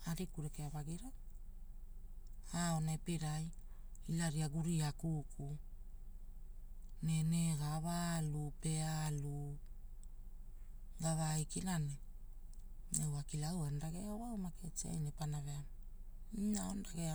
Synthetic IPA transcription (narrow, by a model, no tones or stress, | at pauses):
aɾikuɾekeaβaɡiɾa | aonepeɾaj | ilaɾiaɡuɾiakukʰu | neneɡaβalupe̞alu | ɡaβajkinane | ewakilawandaɡeawawmaket͡ʃia̰jnepanavea | inaondaɡea